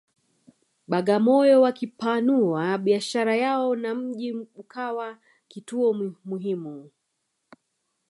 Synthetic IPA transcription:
ɓaɠamɔjɔwakipanuaɓiaʃaɾajaɔnam̩ʄim̩kʰawa | kituɔmuɦimu

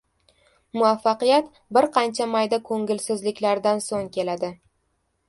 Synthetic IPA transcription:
mʊafːɑqɨjat̪ | bɪɾqʰɑnt͡ʃʰamajd̪akʰɵŋʲɪlsɪzlɪkʲlaɾd̪ansoŋkʲʰe̞lad̪ɪ

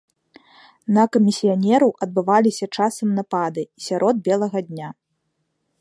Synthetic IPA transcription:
nɐkɐmʲisʲijanʲɛɾɐwʔɐd̪̚bɨvalʲisʲɐt͡ʂasɐmnapad̪ɨisʲaɾʔɔd̪̚bʲɛlˠɐɣɐd̪ʲnʲa

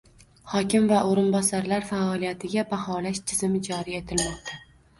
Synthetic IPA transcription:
hɒkʲɪmvaʔoɾɪnbɒsaɾlaɾfaɒlijat̪ʰɪɡʲabahɒlaʃt͡ʃ̪ʰɪzɪmɪd͡ʒɒɾie̞t̪ʰɪlmɒq̚t̪ʰa

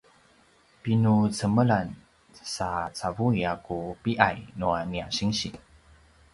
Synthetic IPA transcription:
pinut͡səməɭan | sat͡savuiakupiʔajnuaniaɕiŋɕi

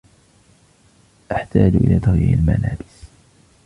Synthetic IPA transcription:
ʔaħt̪aːd͡ʒʔɪlaːt̪ɑɣiːalmalaːbɪs

